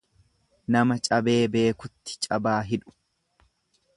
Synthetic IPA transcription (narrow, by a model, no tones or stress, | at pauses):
nɐmɐt͡ʃʼɐbe̞ːbe̞ːkʊt̪ːɪ̥t͡ʃʼɐbaːɦɪᶑʊ̥